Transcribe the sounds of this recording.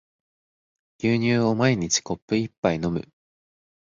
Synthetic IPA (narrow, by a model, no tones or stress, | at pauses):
jʲɨːɲ̟ɨːo̞maiɲ̟it͡ɕi̥ko̞pːɯ̟ipːaino̞mɯ̟̰